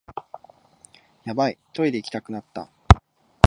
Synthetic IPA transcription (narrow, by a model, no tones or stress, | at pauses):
jabait̪o̞id̪e̞ikʲi̥t̪akɯ̟nat̪ːa̰